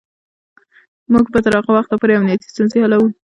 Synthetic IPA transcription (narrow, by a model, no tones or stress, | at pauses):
muɡpət̪aɾɑqawaxt̪lapuɾeamnijat̪i̥st̪unzehalawu